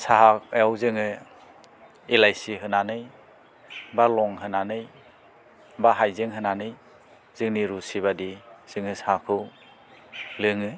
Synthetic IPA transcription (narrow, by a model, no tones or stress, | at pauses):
saɦak̚jawzɯŋɯ | ilajsiɦɯnanɯj | balɔŋɦɯnanɯj | baɦajzɯŋɦɯnanɯj | z̥ɯŋniɾusiβadiz̥ɯŋɯsakʰɯw | lɯŋɯ